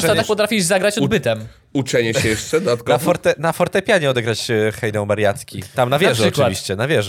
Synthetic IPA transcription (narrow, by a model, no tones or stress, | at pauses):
ɛt̪aakpɔt̪ɾafʲiʒzaɡɾat͡ɕɔd̪bɘt̪ɛm | ut͡ʂɛɲɛɕɛjɛʂt͡ʂɛd̪at̪knafɔɾt̪ɛnafɔɾt̪ɛpʲjaɲɛɔd̪ɛɡɾat͡ɕxɛjd̪ɛ̃wmaɾjat̪kʲit̪amnavʲjɛʐɛɔɨvviɕt͡ɕɛnavʲjɛʐ